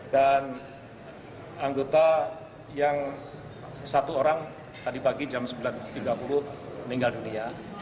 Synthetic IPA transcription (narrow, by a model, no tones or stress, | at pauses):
dan | aŋɡot̪a | jaŋ | sat̪uoɾaŋ | t̪adipaɡid͡ʒamsəbilant̪iɡapulʊhniŋɡaldunia